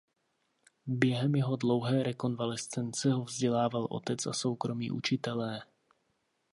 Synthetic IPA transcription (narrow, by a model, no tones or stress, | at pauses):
bjɛɦɛmjɛɦo̞dlo̞wɦɛːɾɛko̞nvalɛst͡sɛnt͡sɛɦovzɟɛlaːvalʔo̞̰t̪ɛt͡sa̰so̞wkɾo̞mḭːʔṵt͡ʃɪt̪ɛlɛː